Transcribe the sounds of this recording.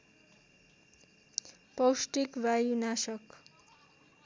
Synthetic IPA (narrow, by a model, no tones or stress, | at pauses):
pʌwsʈikbajunasʌk